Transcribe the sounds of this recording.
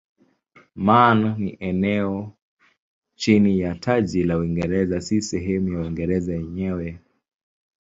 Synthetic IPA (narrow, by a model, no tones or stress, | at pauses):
manniʔɛnɛɔ | t͡ʃinijatʰaʄilauiŋɡɛɾɛzasisɛɦɛmujauiŋɡɛɾɛzajɛɲɛwɛ